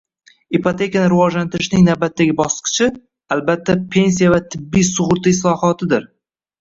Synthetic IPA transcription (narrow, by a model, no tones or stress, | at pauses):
ipot̪ʰe̞kʲanɪɾɪvɒd͡ʒlant̪ɪɾɪʃnɪŋnawbat̪ʰːaɡʲɪbɒslqɨ̥t͡ʃʰɪ | albat̪ʰːapʰe̞ns̬ijavat̪ʰɪbːijsʊʁʊɾt̪ʰaɪslˠɒhɒt̪ʰɪd̪ɪɾ